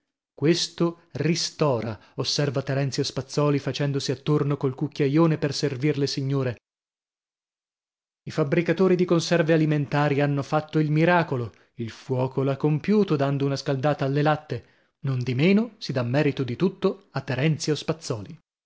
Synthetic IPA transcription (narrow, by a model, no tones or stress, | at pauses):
kwest̪o | rist̪ɔːɾaosːɛrvat̪eɾɛnt̪siospat̪sːɔːlifat͡ʃɛnd̪osiat̪ːornokolkukʲːjajoːneperservirlesiɲːoːɾe | ifabɾikat̪oːɾid̪ikonsɛrvealiment̪aːɾianːofat̪ːoilmiɾaːkolo | ilfwɔːkoloakːompjuːt̪od̪and̪ounaskald̪aːt̪aːlːelat̪ːe | nond̪imeːnosid̪amːɛːɾit̪od̪it̪ut̪ːoat̪ːeɾɛnt̪sjospat̪sːɔːli